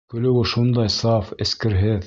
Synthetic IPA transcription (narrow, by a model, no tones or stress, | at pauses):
kɵ̆lɘ̆wɘʃund̪ɑjsɑfɘ̆skɘ̆ɾɦɘð